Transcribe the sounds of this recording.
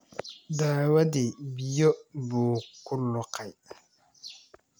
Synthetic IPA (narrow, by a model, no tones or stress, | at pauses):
daːwadɪbijɔbʊːkʊlːʊkaj